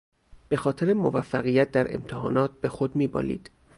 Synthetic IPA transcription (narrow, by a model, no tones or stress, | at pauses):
b̥e̞xɒːt̪ʰe̞ɾemovæfːæɣijæt̪̚d̪æɾe̞̰mt̪ʰehɒ̰ːnɒːt̪̚be̞xod̪miːbɒ̰ːlḭːd̪̥